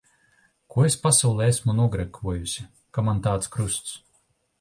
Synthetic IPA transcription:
kuɔespasawlˠɛesmunuɔɡɾɛkʰuɔjusʲi | kamant̪aːt̪skɾust̪s

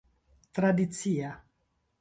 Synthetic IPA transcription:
t̪ɾad̪it̪sia

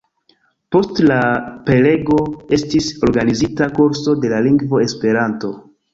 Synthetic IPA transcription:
po̞stlape̞le̞ɡo̞e̞stiso̞ɾɡanizitakuɾso̞de̞laliŋɡvo̞e̞spe̞ɾanto̞

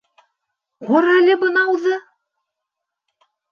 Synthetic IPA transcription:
ʁoɾælɘbɤ̆nɑwðɤ

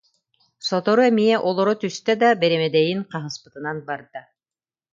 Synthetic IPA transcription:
sɔt̪ɔɾuɛmiɛʔɔlˠɔɾɔt̪yst̪ɛd̪abɛɾɛmɛd̪ɛjinqɑɦɯspɯ̥t̪ɯnanbaɾd̪a

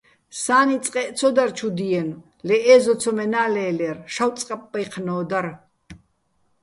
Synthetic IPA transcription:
saːnit͡sʼqʼɛʔt͡sʰɔd̪aɾt͡ʃʰud̪iɛn | lɛʔɛːzɔt͡sʰɔmɛnaːlɛːlɛɾʃawt͡sʼqʼapʼːajqʰnɔːd̪aɾ

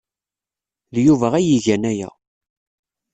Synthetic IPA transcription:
ljuvæʁæjiʝænæjæ̰

